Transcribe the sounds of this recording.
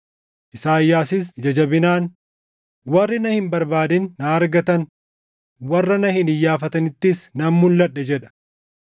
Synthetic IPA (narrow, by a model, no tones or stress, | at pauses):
ʔɪsaːjːaːsɪs̬d͡ʒɐd͡ʒɐbɪnaːn | wɐrːɪnɐhɪmbɐɾbaːd̪ɪnːɐːɾɡɐt̪ɐn | wɐrːɐnɐhɪnɪjːaːfɐt̪ɐnɪt̪ːɪsnɐmmʊlːɐɗːɛd͡ʒɛᶑɐ̥